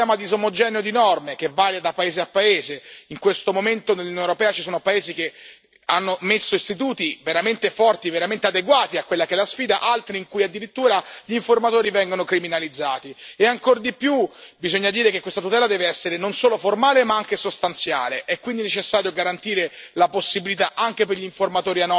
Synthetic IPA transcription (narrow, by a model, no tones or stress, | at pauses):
ɛːmad̪isomod͡ʒɛːneod̪inɔrmekevːaːɾjad̪apaeːzeapːaeːzeiŋkwest̪omoment̪onelːunjoneoɾopɛːat͡ʃisoːnopaeːzike | anːomesːoist̪it̪uːt̪iveɾament̪efɔrt̪iveɾament̪ead̪eɡwaːt̪iakːwelːakeɛlːasfiːd̪a̰ʔalt̪ɾiiŋkuːjad̪ːiɾit̪ːuːɾaʎiɱformat̪oːɾivɛŋɡonokɾiminalid̪zːaːt̪ieaŋkord̪ipjubizoɲːad̪iːɾekekːwest̪at̪ut̪ɛːlad̪ɛːveɛsːeɾenonsoːloformaːlemaaŋkesost̪ant̪sja̰ːleʔɛkːwind̪inet͡ʃesːaːɾjoɡaɾant̪iːɾe | laposːibilit̪aʔaŋk̟epeɾʎiɱformat̪oːɾianːɔ